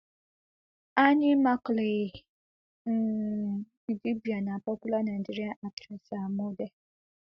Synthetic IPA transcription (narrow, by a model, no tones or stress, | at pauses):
anĩmakle | idibianãpɔkulanãnd͡ʒiɾiaʔatɾɛsamodɛ